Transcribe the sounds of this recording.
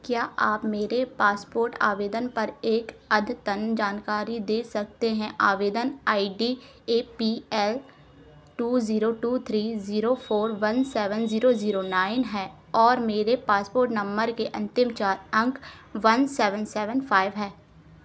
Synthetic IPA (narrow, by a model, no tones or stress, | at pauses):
kjaːʔaːpmeːɾepaːspoːɾʈa̰ːʋeːd̪ənpɐɾeːkɐd̪ʱt̪ɐnd͡ʒaːnkaːɾid̪eːsɐk̚t̪eɦɛ̃ʔaːʋeːd̪ənaːiɖiː | eːpiːɛl | ʈuːziːɾoʈuːt̪ʰɾiːziːɾopʰoːɾʋɐnsɛːʋənziːɾoziːɾonaːɪnɦɛː | ɔːɾmeːɾepaːspoːɾʈnɐ̃mbəɾkeʔɐ̃nt̪ɪmt͡ʃaːɾɐ̃ŋk | ʋɐnsɛːʋənsɛːʋənpʰaːɪʋɦɛː